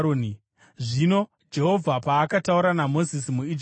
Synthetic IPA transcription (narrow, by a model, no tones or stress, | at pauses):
oni | ʐino̞ | d͡ʒe̞ɦo̞vʱapaːkatauɾanamo̞zisimuid͡ʒ